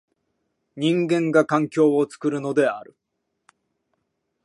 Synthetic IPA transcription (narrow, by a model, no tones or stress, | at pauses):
ɲ̟ĩŋɡẽ̞ŋɡakãŋkʲo̞ːot͡sɨ̥kɯ̟ɾɯ̟no̞d̪e̞aɾɯ̟